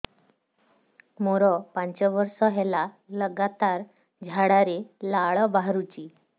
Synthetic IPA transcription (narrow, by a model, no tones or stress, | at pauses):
moɾɔpaɲt͡ɕɔʋəɾsɔɦɛla | ləɡat̪aɾ | d͡ʑʱaɽaɾelaɭɔbaɦɾut͡ɕiː